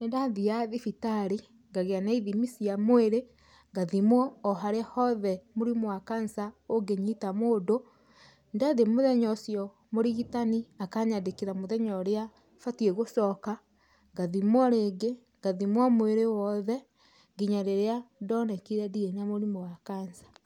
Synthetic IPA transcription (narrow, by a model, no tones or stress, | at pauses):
nendaðiaðifitaɾi | ŋɡaɣeanaiðimisiamoeɾe | ŋɡaðimwɔːɦaɾeahɔðɛmoɾimoakansaoɡeɲitamodo | ndaðemoðɛɲɔsjɔ | moɾiɣitaniakaɲadekiɾamoðɛɲɔɾea | fatieɣosɔka | ŋɡaðimwɔɾeɡe | ŋɡ̥aðimwɔmweɾewɔðɛ | ɡiɲaɾeɾeadɔnɛkiɾɛdienamoɾimoakansḁ